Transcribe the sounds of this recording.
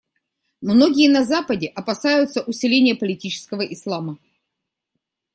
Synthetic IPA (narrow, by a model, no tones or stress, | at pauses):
mnoɡʲɪjənɐzapədʲɪʔɐpɐsajʊt̪səʔʊsʲɪlʲenʲɪjəpəlʲɪtʲit͡ɕɪ̥skəvəʔɪslˠamə